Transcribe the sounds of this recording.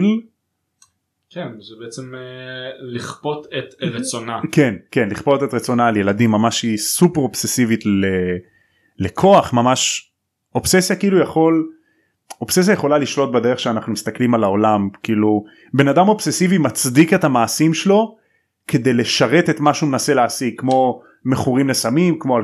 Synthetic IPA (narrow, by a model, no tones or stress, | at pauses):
l | kʰenzebeet͡sem | liχpo̞tet̪ʁeonake̞nke̞nliχpo̞t̪e̞t̪ʁet͡so̞naːlje̞ladimːamaʃhisupeʁobsesivitle | lekʰo̞aχmamaʃ | opsesjakiiːlujaχo̞l | o̞pses̬jaje̞χo̞laliʃlo̞t̪̚bed̪e̞ʁeχʃeanaχnumist̪aklimalaolamkiiiːlu | be̞nadamo̞bsesivimat͡sd̪ike̞thamaːsimʃelo̞ | kʰe̞d̪e̞jle̞ʃaʁe̞t̪e̞t̪maʃumenase̞leːsiɡ̚kːmo̞ | me̞χuʁimlesamimkmoal